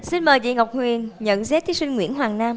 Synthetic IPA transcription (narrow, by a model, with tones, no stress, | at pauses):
si˧nməː˨˩jzḭ˧˨ŋa˨˩wk͡p̚ŋwi˨˩ənɲə̰˧˨nzɛ˨˦˥t̪ʰi˨˦si˧ŋ̟ŋwḭ˧˥ənɦwaː˨˩ŋnaː˧m